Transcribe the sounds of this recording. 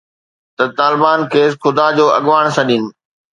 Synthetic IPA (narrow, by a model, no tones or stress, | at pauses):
t̪ɐt̪aːlɪbaːnkʰeːs̬xʊd̪ad͡ʑoːʔɐ̰ɠʋaːɽ̃sɐɗinɪ̆